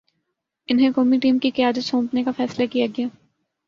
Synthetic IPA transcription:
ɪnɦẽkoːmiʈiːmkikɪjaːd̪ət̪sõːmpnekafɛːslakijaɡɐjaː

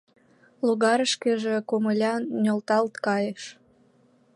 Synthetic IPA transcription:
luɣɑɾəʃkeʒĕkoməlʲɑnnʲolt̪ɑlt̪kɑjeʃ

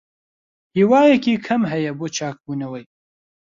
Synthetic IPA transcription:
hiːwaːjɛkiːkʰɐmɦɐjɐboːt͡ʃʰaːk̚buːnɐwɐj

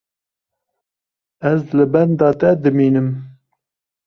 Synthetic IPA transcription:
ɛzlɨbɛnd̪ɑːt̪ɛd̪ɨmiːnɨm

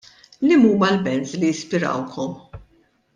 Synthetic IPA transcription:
lɪmuːmɐlbɛnzlijɪspɪɾɐ̰wkʰɔm

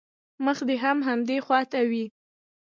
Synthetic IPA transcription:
məxd̪eɦamɦamd̪exwɑt̪awi

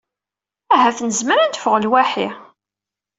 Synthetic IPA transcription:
æɦæθnəzməɾænt̪əfəʁlwæħi

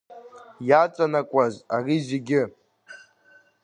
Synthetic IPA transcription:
jat͡sʼanakʷʼazarizeɡʲɪ

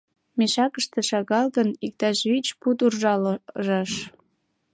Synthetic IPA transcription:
meʃɑkəʃt̪ĕʃɑɣɑlɣənik̚t̪ɑʃβit͡ɕput̪urʒɑlʒɑʃ

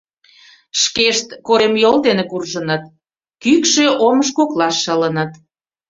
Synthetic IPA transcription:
ʃkeʃt̪koɾemjold̪enekurʒənət̪ | kykʃeʔoməʃ̬koklɑʃːələnət̪

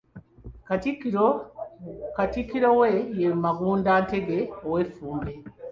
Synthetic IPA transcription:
katikiɾowejemaɡuːndaːnteɡeowefuːmbe

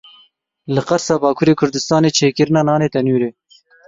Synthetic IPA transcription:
lɨqɑɾsɑːbɑːkʰuɾeːkʰʊɾd̪ɪst̪ɑːneːt͡ʃʰeːkɨɾɨnɑːnɑːneːt̪ɐnuːɾeː

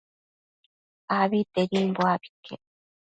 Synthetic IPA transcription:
aβit̪eɾimboabi̥ke

